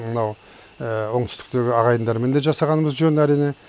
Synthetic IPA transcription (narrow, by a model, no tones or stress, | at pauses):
mənɑw | əwoɴt̪ʰʏ̥st̪ɪ̥k̚t̪e̞ɡʲɪɑʁɑjənd̪ɑɾme̞nd̪e̞ʒɑsɑʁɑnəməzʒɵnæɾijne̞